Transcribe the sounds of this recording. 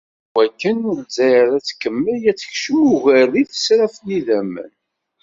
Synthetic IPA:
wækːənʊɾzæjɾæt͡sːkːəmːəljæt͡sːə̥çʃəmuʝærːiθə̥sɾæfniðæmːə̰n

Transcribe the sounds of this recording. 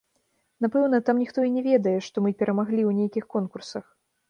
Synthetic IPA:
n̪apɛwnɐt̪amnʲixt̪ɔinʲɛvʲɛd̪ɐjɛʂt̪ɔmɨpʲɛɾɐmaɣlʲiwnʲejkʲixkɔnkursɐx

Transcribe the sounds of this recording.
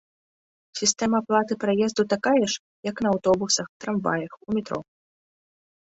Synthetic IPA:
sʲist̪ɛmɐːplˠat̪ɨpɾajɛzd̪ut̪akajɛʂ | jɐknɐːwt̪ɔbusɐxt̪ɾamva̰jɐxumʲɛt̪ɾɔ̰

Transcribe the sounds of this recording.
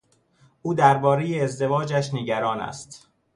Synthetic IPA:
ʔuːd̪æɾbɒːɾe̞jeːzd̪e̞vɒːd͡ʒæʃneɟæɾɒːnæ̰st̪

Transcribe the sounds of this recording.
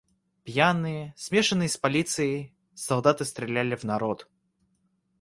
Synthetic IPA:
pjanːɨjəsʲmʲeʂɨnːɨjspɐlʲit̪sɨjəj | sɐlˠd̪at̪ɨst̪ɾʲɪlʲælʲɪvnɐɾɔt̪

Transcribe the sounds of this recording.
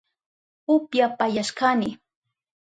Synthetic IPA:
ʊpjapajaʃkanɪ

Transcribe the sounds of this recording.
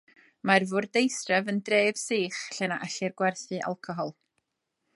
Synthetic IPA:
marvʊːrdejsrɛvəndreːv̥siːχɬɛnaʔaɬɪrɡwɛrθɨʔa̰lˠkʰɔɦɔlˠ

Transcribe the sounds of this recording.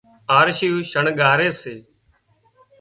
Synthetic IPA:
aːɾʃijũːʃəɳɠaːɾeːseː

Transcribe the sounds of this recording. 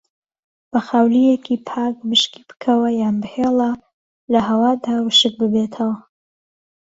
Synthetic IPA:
b̥ɐxaːwlijekʰipʰaːk̚bɨʃki̥b̥ɨ̥kʰɐwɐjaːnbɨheːlˠɐ | lɐɦɐwaːd̪aːwɨʃɨk̚bɨbet̪ʰɐwɐ

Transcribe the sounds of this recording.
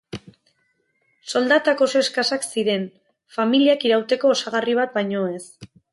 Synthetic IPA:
so̞ld̪at̪ako̞soeskasaksiɾe̞n | familiakiɾawt̪e̞ko̞ːsaɣ̞ariβ̞at̪̚bajɲo̞e̞s

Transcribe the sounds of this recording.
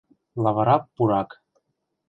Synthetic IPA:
lˠɑβɑɾɑpːuɾɑk

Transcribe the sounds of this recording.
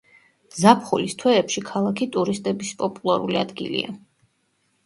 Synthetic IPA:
zapʰχulist̪ʰwɛːpʃikʰalˠakʰit̪ʼuɾist̪ʼɛbispʼɔpʼulˠaɾuliad̪ɡḭlḭa̰

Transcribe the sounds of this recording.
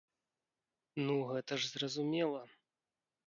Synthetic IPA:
nuɣɛt̪ɐʐzrɐzumʲɛlˠɐ

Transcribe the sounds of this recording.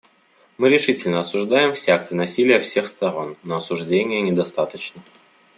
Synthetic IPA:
mɨɾʲɪʂɨtʲɪlʲnəɐsʊʐd̪ajɪmfsʲakt̪ənɐsʲilʲɪjəfsʲe̞xst̪ɐɾo̞nːəɐsʊʐdʲenʲɪjənʲɪd̪ɐst̪at̪ət͡ɕnə

